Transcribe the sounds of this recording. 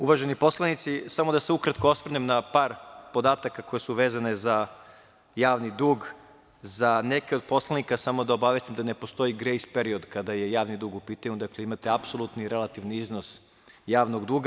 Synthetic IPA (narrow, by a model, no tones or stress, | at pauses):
uʋaʒenipo̞slanit̪sisamod̪aseukɾat̪koosʋr̩nemnapaːɾpo̞d̪aːt̪akako̞jesuʋe̞ːzane̞za | jaːʋnid̪uːɡ | zane̞keo̞d̪̚po̞slˠanikasamo̞d̪ao̞baʋjest̪imd̪ane̞po̞st̪o̞iɡɾe̞jspeɾio̞d̪kad̪aje̞jaːʋnid̪uːɡupiːt̪aɲud̪akle̞imat̪eapso̞lˠut̪niɾe̞lat̪iʋniizno̞s | jaːʋno̞ɡd̪uːɡa